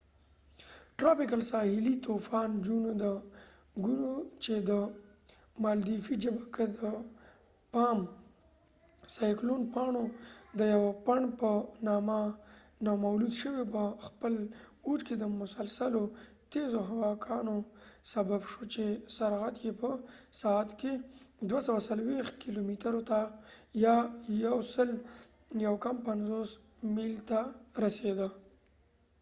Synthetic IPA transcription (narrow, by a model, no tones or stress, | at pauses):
ʈɾapɪkalsɑhɪlit̪ufɑnd͡ʒunod̪ə | ɡunot͡ʃed̪ə | mɑld̪ifid͡ʒəbakad̪ə | pɑːm | sɑjklonpɑɳod̪əjawapaɳpənɑmanɑmawlud̪ʃəwepəxpəluʈked̪əmʊsalsalo | t̪ezoɦawɑkʰɑnosababʃot͡ʃesaɾɣat̪jepəsɑat̪ked̪wasawasalwext̪̚kilomit̪aɾot̪ajɑjawsəljawkampanzos | milt̪aɾased̪a